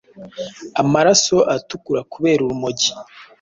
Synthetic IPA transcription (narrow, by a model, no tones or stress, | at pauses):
amaɾaso̞ʔatukuɾakuβe̞ːɾuɾumoɟi̥